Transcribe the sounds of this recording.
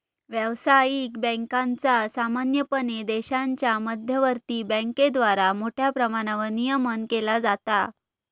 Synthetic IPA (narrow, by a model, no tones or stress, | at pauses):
ʋjəʋsajikbə̃ŋkãnt͡sasamanjəpəned̪eɕaɲt͡ɕjaməd̪ʱjəʋəɾt̪iːbə̃ŋked̪ʋaɾamoʈʰjapɾəmaɽ̃aʋənijəmənkelad͡zat̪a